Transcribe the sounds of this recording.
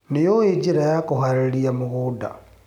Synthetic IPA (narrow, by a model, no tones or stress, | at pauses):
nijoid͡ʒiɾajakuhaɾeliamuɣuda̰